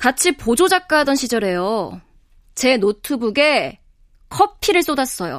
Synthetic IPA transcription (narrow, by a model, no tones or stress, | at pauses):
kat͡ɕʰipod͡ʑod͡ʑak̚k͈aɦdʌnɕʰid͡ʑʌɾe̞jo | t͡ɕe̞notʰɯbuɡe̞ | kʰʌpʰiɾɯɭs͈odas͈ʌjo̰